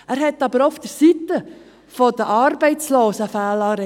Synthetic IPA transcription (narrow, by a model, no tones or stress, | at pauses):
æːɾhɛt̪ːɑbəɾɔfd̥̪əɾsit̪ə | fɔd̥̪əʔɑɾbɛɪt͡sloːsəfæːlɑːɾɛ